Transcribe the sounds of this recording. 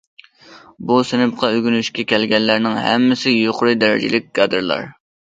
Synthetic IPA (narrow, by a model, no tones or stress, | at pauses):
busɪnɨp̚qʰɑøɡʲynyʃkʲɛkʲʰɛlɡʲɛnlːæɾnɪŋɦɛ̰mːɪsɪjoqʊɾɨd̪ɛɾɪ̰d͡ʒɪ̰lɪk̚ʲɡ̥ɑd̪ɨɾlˠɑ̰ɾ